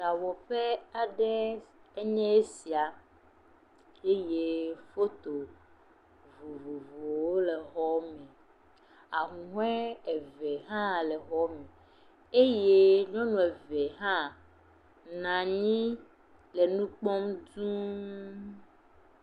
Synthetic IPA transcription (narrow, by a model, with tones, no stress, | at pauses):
ɖa˨wɔ˨ɸe˦a˨ɖɛ˦e˦ɲɛ̃˦e˦si˨a˨ | e˦je˦fo˦t̪o˨ | vu˨vu˨vo˨wo˦le˨ɦɔ˦mɛ̃˨ | a˨ŋũ˨ɦɛ̃˦e˨vɛ˨ɦã˦lɛ˨ɦɔ˦mɛ̃˨ | e˦je˦ɲɔ̃˦nũ˨ɛ˨vɛ˨ɦã˦ | nã˨ɲĩ˦ | le˨nũ˦k͡pɔ˦mdũ˦